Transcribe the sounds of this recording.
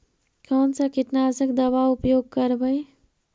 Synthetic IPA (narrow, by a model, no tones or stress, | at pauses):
kɔːnsakiʈnaːzəkd̪ɐbaʊpjoːɡ̚kəɾbəj